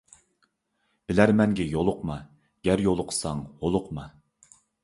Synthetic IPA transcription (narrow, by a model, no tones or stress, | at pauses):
b̥ɪlæɾmɛŋɡʲɛjolˠʊqmɑ | ɡ̥ʲæɾjolˠʊqʰə̥sɑŋholˠʊqmɑ